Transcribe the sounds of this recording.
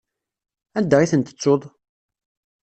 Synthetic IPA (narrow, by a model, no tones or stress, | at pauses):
æd̪ːæʁiθənt̪ə̥t͡sːoðˤ